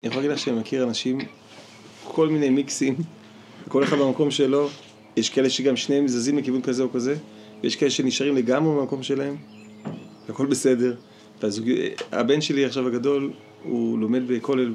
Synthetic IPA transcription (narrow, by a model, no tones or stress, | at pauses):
niaχolaɡidlaχʃemakiʁanaʃim | kʰo̞lmine̞jmiksim | hako̞leχadbamako̞mʃelo̞ | jeʃkaeleʃeɡamʃnemzazimlekivunkazeokaze | vejeʃkaeleʃeniʃaʁimleɡamʁebamako̞mʃelae̞m | vako̞lbe̞se̞de̞ʁ | veazuɡa̰be̞nʃe̞liaχʃavhaɡado̞l | ṵlo̞me̞d̚bekʰo̞lel